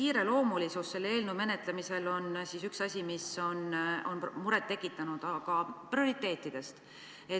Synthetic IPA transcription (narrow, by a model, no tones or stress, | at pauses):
kiːɾe̞lo̞ːmulisusːe̞lːe̞ːlnume̞net̪ˑlemise̞lo̞nsisyksɑsʲimiso̞no̞nmuɾet̪ːe̞kːˑit̪ːˑɑnud̪̥ɑkɑprio̞ɾit̪ːˑe̞ːt̪ˑːid̪̥e̞st̪ | e̞